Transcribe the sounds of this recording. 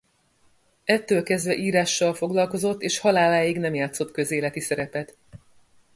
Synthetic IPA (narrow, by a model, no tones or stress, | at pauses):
ɛt̪ːøːlkɛzd̪vɛʔiːɾaːʃːɒlfo̞ɡlɒlko̞zo̞t̪ːeːʃhɒlaːlaːjiɡnɛmjaːt̪so̞t̪kø̞zeːlɛt̪isɛɾɛpɛt̪